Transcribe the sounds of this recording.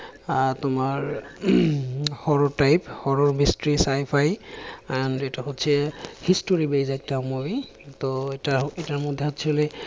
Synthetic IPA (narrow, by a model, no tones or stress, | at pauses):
atʊmaɹ | hɔɹɔtajphɔɹɔɹmistɹisajpʰajaantɛtahotsʰɛhistoɹibejzajk̚tamobi | t̪ɔtaetaɹmɔd̪ʱːɛɦɔtsʰiolɛ